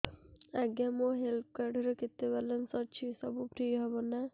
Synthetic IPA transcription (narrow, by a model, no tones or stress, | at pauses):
aɡamoɦelt̪̚ʰkaɾɖɔɾeket̪ːebaɾlensɔt͡ʃʰisɔbupʰɾiɦɔbɔna